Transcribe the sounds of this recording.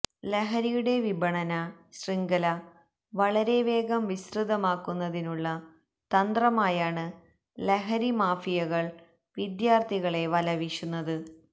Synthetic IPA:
leɦɐɾijuɽe̞ʋibɐɳɐnɐɕriŋɡɐlɐ | ʋɐɭɐɾe̞ʋe̞ːɡɐmʋisrɨd̪ɐmaːkːunːɐðinuɭːɐ | t̪ɐnd̪rɐmaːjaːɳɨ | leɦɐɾimaːfijɐɣɐɭ | ʋid̪jaːrt̪ʰiɣɐɭe̞ʋɐlɐʋiʂunːɐðɨ

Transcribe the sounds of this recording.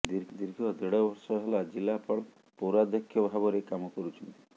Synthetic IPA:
d̪iɾd̪iɾɡʱɔd̪eɽɔbɔɾsɔɦɛlad͡ʒilːapɔɭ | powɾad̪jɔkʰːjɔbʱabɔɾekamɔkɔɾut͡ʃʰɔnt̪i̥

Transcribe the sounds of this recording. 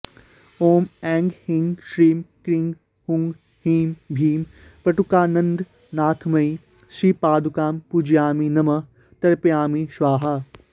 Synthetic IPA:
oːmɛ̃ːŋɡhɪ̃ŋɡʃɾiːmkɾĩŋɡ | hʊ̃ŋɡ | hiːmbʱiːm | pɐʈukaːnɐ̃nd̪ | naːt̪ʰmɐi | ʃiːpaːd̪ʱukaːmpud͡ʒijaːminɐmɐ | t̪ɐɾpiaːmiʃʋaːɦa

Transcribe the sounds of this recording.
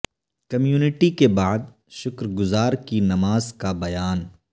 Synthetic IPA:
kɐmjuːnɪʈikebaːd̪̚ | ʃʊkɾɡʊzaːɾkinɐmaːzkabɐjaːn

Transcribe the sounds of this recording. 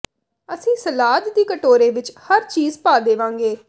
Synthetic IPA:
əsĩːsəlaːd̪d̪iːkəʈoːɾẽːʋɪt͡ʃhəɾt͡ʃiːzpaːd̪eːʋãːŋɡeː

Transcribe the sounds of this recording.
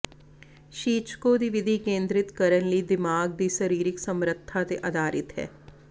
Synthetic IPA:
ʃiːt͡ʃkod̪iʋɪd̪ʱikẽːnd̪ɾɪt̪kɐɾənlid̪ɪmaːɡ̚d̪iʃəɾiːɾɪksɐmɾət̪ʰːat̪eʔɐd̪ʱaːɾɪt̪ɦɛ̰ː

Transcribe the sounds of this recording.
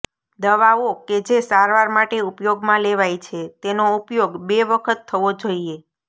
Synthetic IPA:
d̪əʋaʋoked͡ʒesaɾʋaɾmaʈeupjoɡmãleʋajt͡ʃʰet̪enoupjoɡbeʋəkʰət̪ʰːəʋod͡ʒoie

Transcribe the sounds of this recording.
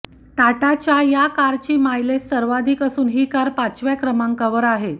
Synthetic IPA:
ʈaʈat͡ɕjajakaɾt͡ɕiːmajlesəɾʋad̪ʱiːkəsuːnɦiːkaɾpat͡sʋjakɾəmãŋkaʋəɾaɦe

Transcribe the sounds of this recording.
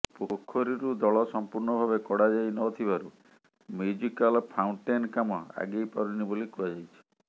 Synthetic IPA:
pukʰːoɾiɾud̪ɔɭɔsɔmpuɾɳɔbʱabekɔɽad͡ʒajnɔːt̪ʰibaɾu | mjud͡ʒikalpʰawɳʈenkamɔa̰ɡejpaɾunibolikuad͡ʒajt͡ʃʰi̥

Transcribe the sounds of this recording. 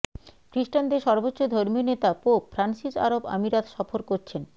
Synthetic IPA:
kɾiʃʈand̪eʃɔɾbotːod̪ʱoɾmionet̪apopfɾansiʃa̰ɾoba̰miɾat̪ʃɔfoɾkoɾt͡ɕʰen

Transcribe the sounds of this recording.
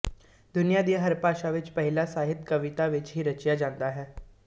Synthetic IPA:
d̪ʊnijaːd̪ijaːɦəɾpaːʃaːʋɪt͡ʃpəɦɪlaːsaːɦɪt̪kəʋɪt̪aːʋɪt͡ʃɦiːɾət͡ʃjaːd͡ʒãːnd̪aːɦɛː

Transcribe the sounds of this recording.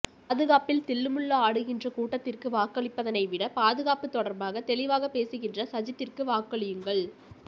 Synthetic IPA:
pːðɯɣaːpɪlt̪ɪlːɯmɯɭːɐaːɽɯɣɪndrɐkuːʈːɐt̪ːɪrkɯʋaːkːɐɭɪpːɐðɐnɐɪʋɪɽɐpaːðɯɣaːpɯt̪ːɔɽɐɾbaːɣɐt̪ɛɭɪʋaːɣɐpːeːsɯɣɪndrɐsɐd͡ʒɐt̪ːɪrkɯʋaːkːɐɭɪjɯŋɡɐɭ

